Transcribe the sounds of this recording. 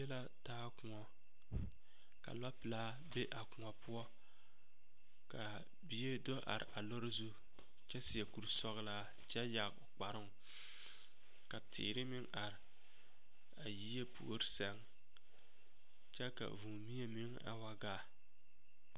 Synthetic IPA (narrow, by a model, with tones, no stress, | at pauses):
ɛ˦la˦taː˦kʊ˨ŋɔ˦ | ka̰˨la˦pɨ˨la˦ | be˦ʔa˨kʊ˨ŋɔ˨pʰʊ˦ɔ˦ | ka˨ | bi˨je˦do˦ʔa̰˨ɾɪ̰˨ʔa˨lo˦ɾzu˦ | t͡ʃɛ˦sɪ˨ɛ˨ku˨ɾsɔ˦ɣla˦ | t͡ʃɛ˦ja˨ɣʊ˨k͡pa˨ɾɪ˦ŋ˨ | ka˨tʰɪ̰ː˨ɾɪ˦mɪ˦ŋa˨ɾɪ˨ | a˨ji˦e˦pṵ˨o˦ɾɪ˦sɛ˦ŋ | t͡ʃɛ˦ka̰˨vu˨ŋmi˦e˦mɪ˦ŋa̰˨wa˦ɡaː˦˨